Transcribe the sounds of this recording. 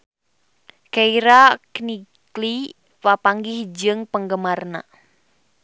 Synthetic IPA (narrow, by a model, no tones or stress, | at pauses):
kaiɾaknikli | wapaŋɡihd͡ʒɨŋpəŋɡəmarna̰